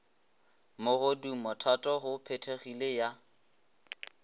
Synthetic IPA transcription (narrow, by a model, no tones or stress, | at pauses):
mʊɣʊdumɔtʰatʼɔɣʊpʰetʰeχileja